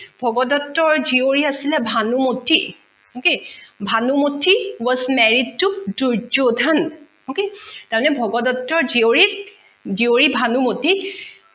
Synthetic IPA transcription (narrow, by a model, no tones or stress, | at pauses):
bʱɔɡɔdɔtːɔɹzioɹiasilɛbʱanumotʰi | okebʱanumotʰiwɔzmɛɹid̚tːukduɹd͡ʒodʱan | oketaɹmɔnɛbʱɔɡɔdɔtːɔɹzioɹi | zioɹibʱanumoti